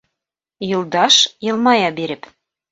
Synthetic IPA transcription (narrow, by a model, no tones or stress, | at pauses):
jɤ̆lˠd̪ɑʃjɤ̆lˠmɑjɑbeɾɘ̆p